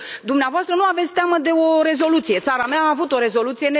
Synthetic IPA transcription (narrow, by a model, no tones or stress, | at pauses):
d̪umneavoast̪ɾənuave̞t̪sʲt̪eaməd̪e̞o̞ɾe̞zo̞lut̪sije̞t̪saɾameaːvut̪o̞ɾe̞zo̞lut̪sije̞ne